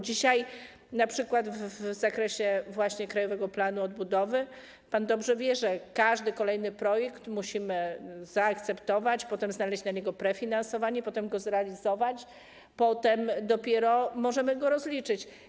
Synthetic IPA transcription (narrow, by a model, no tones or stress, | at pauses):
d͡ʑiɕaj | napʂɘkwad̪vzakɾɛɕɛvwaɕɲɛkɾajɔvɛɡɔplanuɔd̪̚bud̪ɔvɘ | pand̪ɔbʐɛvʲjɛʐɛkaʐd̪ɘkɔlɛjnɘpɾɔjɛkt̪muɕimɘz̥aːkt̪sɛpt̪ɔvat͡ɕpɔt̪ɛmznalɛɕt͡ɕnaɲɛɡɔpɾɛfʲinansɔvaɲɛpɔt̪ɛmɡɔzɾɛalʲizɔvat͡ɕ | pɔt̪ɛmd̪ɔpʲjɛɾɔmɔʐɛmɘɡɔɾɔzlʲit͡ʂɘt͡ɕ